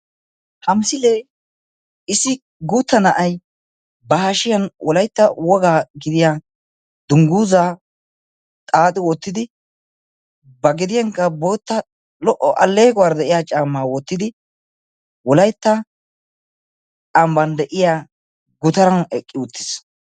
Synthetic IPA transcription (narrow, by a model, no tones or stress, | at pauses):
hɐmsɪleː | ɪsːɪ | ɡuːt̪ːɐnɐʔɐj | bɐhaʃɪjɐnwʔɔlɐjt̪ːɐwɔɡaːɡɪd̪ɪjaː | d̪ʊŋɡuːzaː | t̪ʼaːt̪ʼɪwɔt̪ːɪd̪ɪ | bɐɡɪd̪ɪjaŋkːɐbo̞ːt̪ːɐ | lɔʔːɔʔɐ̰lːe̞ːɡɔwaːɾd̪ɛʔɪjaːt͡ʃʼaːmːaːwɔt̪ːɪd̪ɪ | wɔlɐjt̪ːɐ | t͡ʃʼambɐnd̪ɛʔɪjaː | ɡʊt̪ɐɾɐnɛkʼːɪʊt̪ːɪ̥s